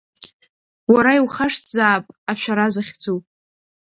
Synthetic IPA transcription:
waɾaiwχaʂtʰzaːpʼaʃʷᶣaɾazaχʲd͡zupʼ

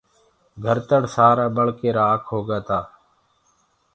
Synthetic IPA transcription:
ɡʱəɾt̪əɽsaːɾaːɓəɭkeːɾaːəkʰɦoːɡaːt̪aː

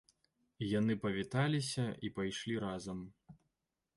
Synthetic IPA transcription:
jan̪ɨpɐvʲit̪alʲisʲɐipajʂlʲiɾazɐm

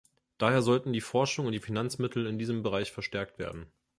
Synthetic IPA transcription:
d̥aːheːɐzɔltn̩diːfɔɐʃʊŋʊntd̥iːfinant͡smɪtʰl̩ɪndiːzəmbəʁaɪçfɛɐʃtɛɐk̚tv̥ḛːɐdn̩

